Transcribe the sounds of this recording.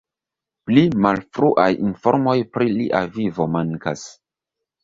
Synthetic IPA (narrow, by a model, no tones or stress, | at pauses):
plimalfɾuʔajinfo̞ɾmo̞jpɾiliʔavivo̞maŋka̰s